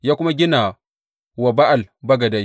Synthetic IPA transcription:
jaː˦kʷʊ˦ma˦ɡʲɪ˦na˨ | wa˨ba˦ʔa˨lbɐ˦ɡɐ˨da˦j

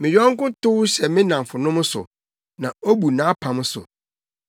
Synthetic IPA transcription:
mɪ̃˨jᶣɔ̃˦ŋ̩˦kʊ̃˦tʊ˦ɕɛ˨mɪ̃˦nã˨m˨fʊ˨nʊ̃˦mʊ̃˦sʊ̰˨ | nã˨o˦bu˨nã˨˦pʰa˨mʊ̃˦sʊ̰˨

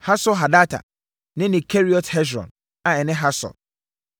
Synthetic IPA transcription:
ha˦sɔ˦ɦa˨da˦tʰa̰˨ | nɪ̃˦nɪ̃˨kʰɛ˦ɾi˦ɔ˨thɛ˦sɾɔ̰̃˨n | a˨ɛ˨nɪ̃˦ɦa˦sɔ̰˨

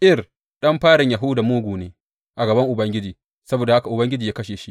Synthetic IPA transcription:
ʔɪ˦˨r | ɗɐ˦mɸaː˦ɽɪ˨ɲja˨ɦʊ˦daː˨moː˦ɡʷuː˨neː˦ | ʔa˨ɡɐ˨bɐ˦ŋʔʊ˨bɐ˦ŋɡʲɪ˦d͡ʒiː˨ | sɐ˦boː˨da˨ha˦ka˨ʔʊ˨bɐ˦ŋɡʲɪ˦d͡ʒiː˨jaː˦kɐ˦ʃeː˨ʃi˦

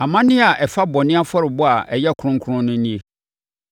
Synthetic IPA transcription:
ã˨mã˦nɪ̃˦a˨ʔɛ˨fa˦bɔ˨nɪ̃˦a˦fɔ˦ɾɪ˨bɔ˦a˨ʔɛ˨jɛ˦˨kʰʊ˨˦ʊ̃˦ŋ̩˦kʰʊ˦ɾʊ̃˦nʊ̃˦nĩ˦e˦

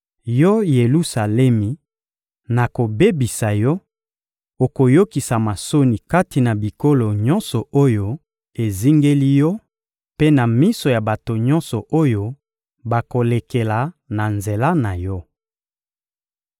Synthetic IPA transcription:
jɔ˦je˨lu˦sa˨lɛ˦mi˨ | na˨ko˨be˦bi˨sa˨jɔ˦ | o˨ko˨jo˦ki˨sa˨ma˨so˦ni˨ka˦ti˨na˨bi˨ko˦lo˨ɲɔ̃˦nsɔ˨o˦jo˦ | e˨zi˦ŋɡe˦li˦jɔ˦ | pe˦na˨mi˦so˨ja˨ba˨to˨ɲɔ˦nsɔ˨ʔo˦jo˦ | ba˨ko˨le˨ke˨la˨na˨nze˨la˦na˨jɔ˦

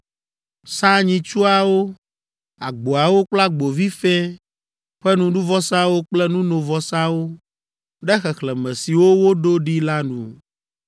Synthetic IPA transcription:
sa˦ɲĩ˨t͡ʃu˦a˨wo˦ | a˨ɡ͡bo˨a˨wo˦k͡pla˦ɡ͡bo˨vi˦fɛ˦ | ɸɛ˦nũ˦ɖu˦vɔ˦sa˦wo˦k͡plɛ˦nũ˦nõ˨vɔ˦sa˦wo˦ | ɖɛ˦xɛ˨xlɛ˨mɛ̃˨si˨wo˦wo˦ɖo˦ɖi˦la˦nṵ̃˨

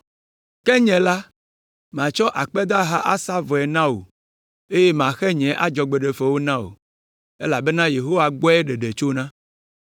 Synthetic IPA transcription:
kɛ˦ɲɛ̃˨la˦ | mã˨t͡ʃɔ˦ʔa˨k͡pɛ˦d̪a˦ɦa˦ʔa˦sa˦vɔ˨ɛ˨nã˦wo̰˨ | e˦je˦mã˨xɛ˦ɲɛ̃˨˦ʔa˦d͡ʒɔ˨ɡ͡be˨ɖe˨fɛ˨wo˦nã˦o̰˨ | e˦la˨be˦nã˦je˨ɦo˦wa˨ɡ͡bɔ˦ɛ˦ɖe˨ɖe˨t͡ʃo˦nã˦

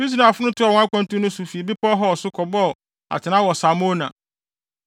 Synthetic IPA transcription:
i˦s̬i˨nã˨fʊ˦nʊ̃˦tʰʊ˦a˨wɔ̃˨˦a˦kʷã˦n˦tʊ̃˦nʊ̃˦sʊ˨fi˨e˨bi˦pʰɔ˦ɦɔ˦˨sʊ˦kʰɔ˨bɔ˦˨ | a̰˨t͡ɕʰɪ˨nã˦wɔ˨sa˨mõ˦nã̰˨

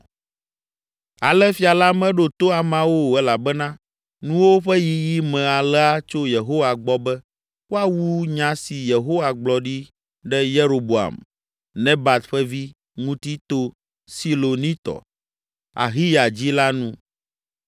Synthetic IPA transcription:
a̰˨lɛ˦fi˦a˨la˦mɛ̃˦ɖo˦t̪o˦a˨mã˦wo˦˨ɛ˦la˨bɛ˦nã˦ | nũ˦wo˦ɸɛ˦ji˦ji˦mɛ̃˨a˨lɛ˦a˦t͡ʃo˦je˨ɦo˦wa˨ɡ͡bɔ˦bɛ˦ | wo˦a˨wu˦ɲã˨si˨je˨ɦo˦wa˨ɡ͡blɔ˨ɖi˦ | ɖɛ˦je˦ɾo˨bo˨a̰˨m | nɛ̃˦ba˨t̪ɸɛ˦vi˦ | ŋũ˦t̪i˦t̪o˦ | si˦lo˨nĩ˦t̪ɔ̰˨ | a̰˨ɦi˦ja˨d͡ʑi˦la˦nũ˦

